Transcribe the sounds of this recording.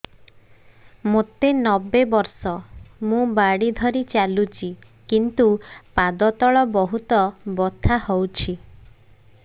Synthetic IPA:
mot̪enɔbebɔɾsɔmũbaɽid̪ʱɔɾit͡ʃalut͡ʃʰi | kint̪upad̪ɔt̪ɔɭɔbɔɦut̪ɔbɔt̪ʰahowt͡ʃʰi

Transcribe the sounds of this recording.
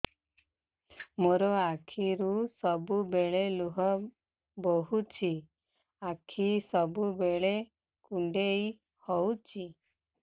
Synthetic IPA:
moɾɔakʰiɾusɔbubeɭeluɦɔ | bɔɦut͡ʃʰi | akʰisɔbubeɭe | kuɳɖej | hɔwt͡ʃʰi

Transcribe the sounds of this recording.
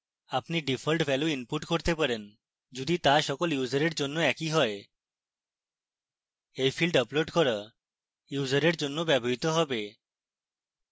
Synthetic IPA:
apniɖifʰolʈbʱɛluinpuʈkoɾt̪epaɾen | d͡ʑod̪it̪aʃɔkoljuzəɾeɾd͡ʑonːoɛkiɦɔe | ejfʰilɖəploɖkɔɾa | juzəɾeɾd͡ʑonːobɛbʱoɦit̪oɦɔbe

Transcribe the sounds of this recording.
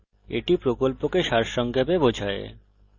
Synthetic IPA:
ḛʈipɾokolpokeʃaɾʃɔŋkʰepebod͡ʑʱaḛ

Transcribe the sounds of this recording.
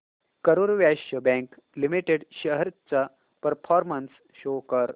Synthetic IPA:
kəɾuɾʋjaɕəbɛ̃ŋk | limiʈeɖɕəɦəɾt͡sa | pəɾfʰɔɾməns | ɕokəɾ

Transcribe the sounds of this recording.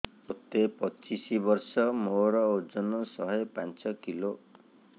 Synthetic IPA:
ot̪epɔt͡ʃisibɔɾsɔmoɾɔod͡ʒɔnɔsɔɦɔejpant͡ʃɔkilo

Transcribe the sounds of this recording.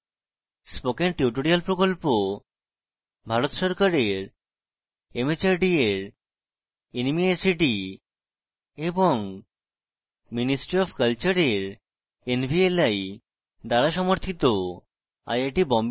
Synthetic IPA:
spokenʈiʈoɾialpɾokolpo | bʱaɾot̪ʃɔɾkaɾeɾ | emet͡ɕaɾɖieɾ | enmiesiʈi | eboŋ | minisʈɾiɔbkalt͡ɕaɾeɾ | enbʱielaj | d̪aɾaʃɔmoɾt̪ʰit̪o | a̰jaʈibɔmb

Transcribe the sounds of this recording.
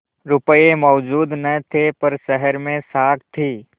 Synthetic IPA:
ɾʊpəemɔːd͡ʒuːd̪nɐt̪ʰepɐɾʃəɦəɾmẽsaːkt̪ʰiː

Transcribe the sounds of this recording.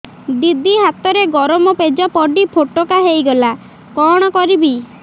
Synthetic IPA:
d̪id̪ʱiɦat̪ɔɾeɡɔɾɔmɔped͡ʒɔpɔɖipʰoʈokaɦejɡɔla | kɔɽ̃ɔkɔɾibi

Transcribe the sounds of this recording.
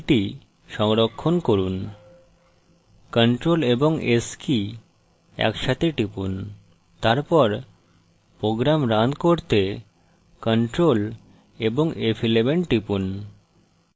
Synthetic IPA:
ʈi | ʃɔŋɾokʰːonkoɾun | kəɳʈɾoleboŋeski | ɛ̰kʃat̪ʰeʈipun | t̪aɾpɔɾ | pɾoɡɾamɾand̪koɾt̪e | kəɳʈɾol | eboŋepʰilebeɳʈipun

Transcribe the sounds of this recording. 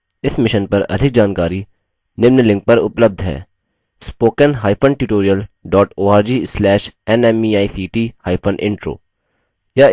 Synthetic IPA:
ɪsmɪʃənpɐɾɐ̰d̪ʱɪk̚d͡ʒaːnkaːɾi | nɪmnlɪ̃ŋk̚pɐɾʊpləb̚d̪ʱɦɛ̰ː | spoːkənɦaːɪpʰəɳʈjuːʈoːɾijəlɖɔːʈoːaːɾd͡ʒiːslɛːʃɛnɛmiaːisiːʈiːhaːɪpʰə̃nɖɪ̰̃ɳʈɾo̰ː | jaː

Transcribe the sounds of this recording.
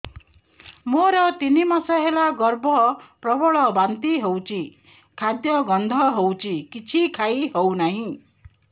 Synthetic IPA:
moɾʌt̪inimʌsʌɦelaɡʌrbʱʌprʌbʱʌɭʌbant̪iɦowt͡sʰi | kʰad̪jʌɡʌnd̪ʱʌɦowt͡sʰikit͡sʰikʰajɦownʌɦĩ

